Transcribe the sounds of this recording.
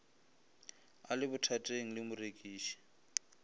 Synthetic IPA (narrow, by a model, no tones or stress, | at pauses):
a̰lɪbʊtʰatʼeŋ̩lɪmʊrekʼiːʃi̥